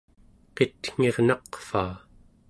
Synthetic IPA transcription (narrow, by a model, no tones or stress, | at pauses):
qet̪ŋ̥e̞ʁnɑqfaː